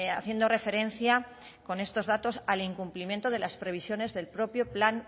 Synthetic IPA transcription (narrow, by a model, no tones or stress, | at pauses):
aθje̞nd̪o̞re̞fe̞ɾe̞n̟θja | ko̞ne̞st̪o̞zðat̪o̞saliŋkumplimje̞nt̪oð̞e̞laspɾe̞β̞isjo̞ne̞zðe̞lpɾo̞pjo̞plan